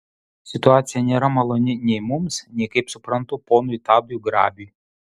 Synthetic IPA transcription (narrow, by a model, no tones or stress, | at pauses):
sʲɪt̪ʊɑːt̪sʲɪjɛnʲeːɾɐmɐlˠɔnʲɪnʲɛɪmʊmsnʲɛɪkɐɪpsʊpɾɐnt̪ʊpoːnʊit̪ɑːbʲjuːɡɾɑ̰ːbʲyː